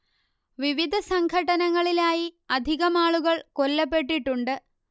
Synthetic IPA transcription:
ʋiʋid̪ʱɐsɐŋɡʰʱɐʈːɐnɐŋːɐɭilaːjiɐd̪ʱiɣɐmaːɭuɣɐɭko̞lːɐp̬ːe̞ʈːiʈːuɳɖɨ

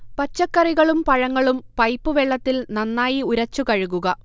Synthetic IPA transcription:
pɐt͡ɕːɐkːɐriɣɐɭumpɐɻɐŋːɐɭumpɐjpːuʋeɭːɐt̪ːilnɐnːaːjiuɾɐt͡ɕːukɐɻuɣuɣɐ

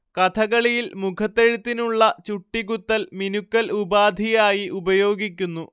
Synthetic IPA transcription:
kɐt̪ʰɐɣɐɭijilmukʰɐt̪ːeɻit̪ːinuɭːɐt͡ɕuʈːiɡut̪ːɐlminukːɐlubaːd̪ʱijaːjiʔubɐjo̞ːɡikʲːunːu

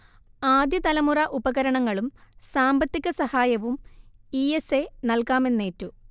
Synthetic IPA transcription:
aːd̪jɐt̪ɐlɐmurɐʔubɐɣɐɾɐɳɐŋːɐɭumsaːmbɐt̪ːiɣɐsɐhaːjɐʋumiesenɐlkaːme̞nːe̞ːtːu

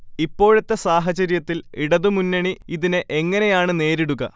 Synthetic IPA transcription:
ipːo̞ːɻɐt̪ːɐsaːɦɐt͡ɕɐɾjɐt̪ːiliɽɐðɨmunːɐɳiiðineʔe̞ŋːɐne̞jaːɳɨne̞ːɾiɽuɣɐ̰

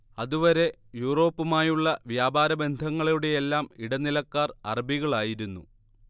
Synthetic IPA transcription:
ɐðuʋɐɾe̞juːro̞ːpːɨmaːjuɭːɐʋjaːbʱaːɾɐbe̞nd̪ʱɐŋːɐɭijuɽe̞jelːaːmiɽɐnilɐkːaːrɐ̰rɐbiɣɐɭaːjiɾunːu

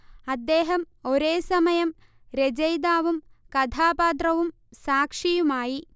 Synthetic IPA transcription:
ɐd̪ːe̞ːɦɐm | o̞ɾe̞ːsɐmɐjɐm | ɾed͡ʑɐjd̪aːʋumkɐd̪ʱʰaːpaːt̪̬rɐʋum | saːkʂijumaːji

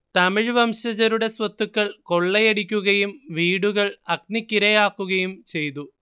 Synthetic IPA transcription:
t̪ɐmiɻʋɐmɕɐd͡ʑɐɾuɽe̞sʋɐt̪ːukːɐɭko̞ɭːɐjeɽikʲːuɣɐjumʋiːɽuɣɐɭɐk̚nikʲːiɾɐjaːkːuɣɐjumt͡ɕe̞jt̪u

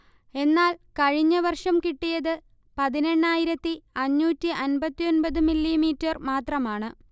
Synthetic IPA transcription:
e̞nːaːlkɐɻiɲːɐʋɐrʂɐmkiʈːijɐðɨ | pɐðine̞ɳːaːjiɾɐt̪ːiɐɲːuːtːiʔɐnbɐt̪ːijo̞nbɐðɨmilːimiːtːɐrmaːt̪rɐmaːɳɨ

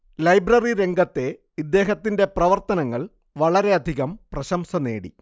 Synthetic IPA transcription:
lɐjbrɐriɾe̞ŋɡɐt̪ːe̞ | id̪ːe̞ːɦɐt̪ːinde̞prɐʋɐrt̪ɐnɐŋːɐɭ | ʋɐɭɐɾe̞ɐd̪ʱiɣɐmprɐɕɐmsɐne̞ːɽḭ

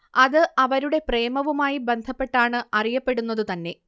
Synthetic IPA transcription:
ɐðɨʔɐʋɐɾuɽe̞preːmɐʋumaːjibe̞nd̪ʱɐpːe̞ʈːaːɳɨɐrijɐpːe̞ɽunːɐðut̪ɐnːe̞

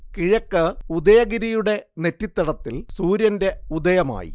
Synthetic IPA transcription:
kiɻɐkːɨud̪ɐjɐɣiɾijuɽe̞ne̞tːit̪ːɐɽɐt̪ːilsuːɾjɐnde̞ud̪ɐjɐma̰ːjḭ

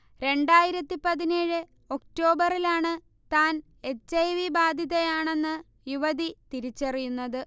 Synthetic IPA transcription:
ɾe̞ɳɖaːjiɾɐt̪ːipɐðineːɻɨ | o̞kʈo̞ːbɐrilaːɳɨ | t̪aːn | e̞t͡ɕːɐjʋibaːd̪ʱjiðɐjaːɳe̞nːɨ | juʋɐðit̪iɾit͡ɕːerijunːɐðɨ

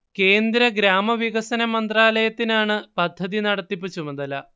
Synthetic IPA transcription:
ke̞ːnd̪ɾɐɡɾaːmɐʋiɣɐsɐnɐmɐnd̪raːlɐjɐt̪ːinaːɳɨpɐd̪ʱːɐðinɐɽɐt̪ːipːɨt͡ɕːumɐðɐlɐ̰

